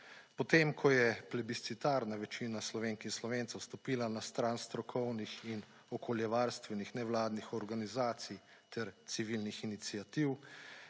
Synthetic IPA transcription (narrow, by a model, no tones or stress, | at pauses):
pɔt̪emkʰɔjɛplɛbist̪sit̪aːɾnaʋɛt͡ʃiːnaslɔʋenkinslɔʋeːntsɛwst̪ɔpiːlanast̪ɾaːnst̪ɾɔkʰɔwnixin | ɔkʰɔljɛʋaːɾst̪ʋɛnixnɛwlaːd̪nixɔɾɡanizaːt̪sij | t̪ɛɾt̪siʋilnixinit̪siat̪iw